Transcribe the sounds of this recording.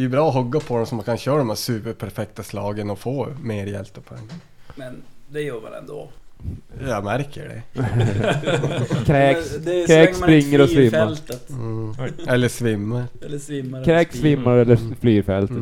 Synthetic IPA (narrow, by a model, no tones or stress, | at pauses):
d̪ɛjʉbɾɑːɔɦɵɡːapʰɔd̪ɔmsɔmːaŋkʰanɕœːɾad̪ɔmæːsʉːpəɾpʰæɾfɛk̚t̪aslɑːɡənɔfoːmeːɾjɛ̰lt̪əpʰɔɛ̰ŋːa | mɛnd̪ɛjuːɾʋɛ̰lɛ̰nd̪oː | jɑmæɾkʰə̰ɖɛ̰ | kʰɾɛːkskʰɾɛːkspɾɪŋːəɾɔsʋɪmːalt̪ət̪ː | ɛlːəʂvɪmːəɾ | kʰɾɛːkssvɪmːaɾɛlːəflyːɾfɛlt̪ət̪